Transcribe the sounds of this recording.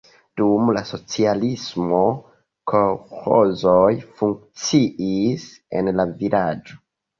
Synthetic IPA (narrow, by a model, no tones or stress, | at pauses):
d̥umlaso̞t͡sialismo̞ | kʰoxozojfuŋk̚t͡siis | e̞̰nlavilad͡ʒo̞